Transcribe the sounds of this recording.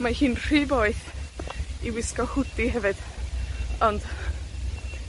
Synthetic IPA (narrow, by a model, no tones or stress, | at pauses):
mahɨːnr̥iːboːɨθ | iwɪskɔhʊdiɦɛvɨd̥ | ɔnd̥